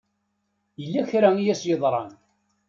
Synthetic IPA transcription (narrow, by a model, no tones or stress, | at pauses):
jəlːæçɾæijæsjəðˤɾˤɑn